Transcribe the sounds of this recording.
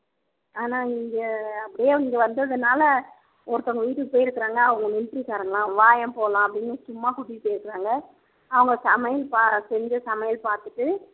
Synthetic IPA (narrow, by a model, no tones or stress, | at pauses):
aːnaːniŋɡɐɐpːɐɽɪjeːniːŋɡɐʋɐnd̪ɯɐðɐnaːlɐ | ɔɾɯt̪ːɐŋɡɐʋiːʈːɯkɯpːoːjɪɾɯkːɪɾaːŋɡɐːʋɐŋɡɐnɪnpɾikaːɾɯŋɡɐlãːʋaːjɐ̃mpoːlãːɐpːɐɽɪnːɯsʊmːaːkʊʈːɪpːoːjɪɾɯkːɪɾaːŋɡɐ | ɐʋɐŋɡɐsɐmɐjɐlpaːsɛɲd͡ʒɐsɐmɐjɐlpaːɾt̪ɯʈːɯ